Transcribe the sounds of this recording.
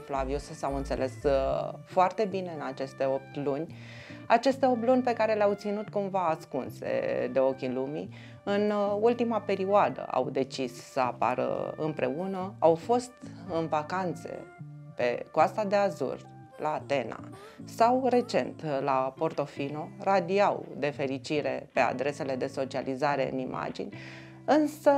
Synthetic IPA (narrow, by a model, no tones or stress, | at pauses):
flaviosesawɨnt̪se̞̰lʔe̞s | foart̪e̞bine̞ɨnat͡ʃe̞st̪e̞o̞p̚t̪lunʲ | at͡ʃe̞st̪e̞op̚t̪lunʲpe̞kaɾeleawt̪sinut̪kumvaːskunse̞̰d̪e̞o̞kʲilumḭ | ɨnult̪imape̞ɾioad̪ə̰a̰wd̪e̞t͡ʃissəapa̰ɾə̰ɨ̰mpɾʔe̞unəawfo̞st̪ɨnvakant̪se̞̰pe̞̰koast̪ad̪e̞azṵr | laːt̪e̞na̰ | sawre̞t͡ʃe̞̰nt̪lapo̞rt̪o̞fino̞rad̪iawd̪e̞fe̞ɾit͡ʃiɾe̞̰pe̞a̰d̪ɾe̞se̞le̞d̪e̞so̞t͡ʃializaɾe̞ɨ̰nima̰d͡ʒḭnʲ | ɨnsə